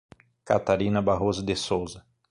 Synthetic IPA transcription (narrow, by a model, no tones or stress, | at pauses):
kat̪aɾĩnɐbaɦozʊd̪esowzɐ